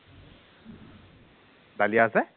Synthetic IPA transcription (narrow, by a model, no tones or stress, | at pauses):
d̪alijasɛ